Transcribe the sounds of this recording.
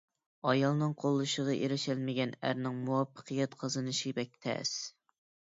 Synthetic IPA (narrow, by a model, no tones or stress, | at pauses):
ɑjɑlˠnɨŋqʰolˠːɨʃəʁɑʔeɾɪʃælmɪɡʲɛnæ̰ɾnɪŋmuwɑpʰːə̥qʰɨjɛt̪qʰɑzɨnɨʃibɛk̚ʲt̪ʰɛ̰s